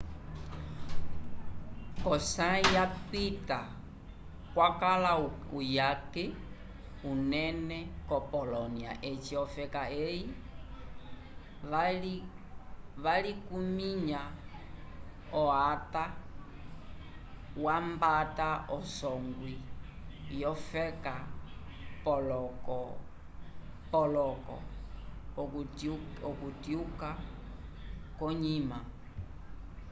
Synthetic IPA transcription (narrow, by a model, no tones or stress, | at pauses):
kɔsãjapita | kwakalau | ujakɛ | unɛnɛkɔpɔlɔnia̰ʔɛt͡ʃiɔfɛkaɛi | ali | ʋalikumiɲa | ɔata | wambataɔsɔŋɡwi | jɔfɛka | pɔlɔkɔ | pɔlɔkɔ̰ | ɔkutjuka | kɔɲima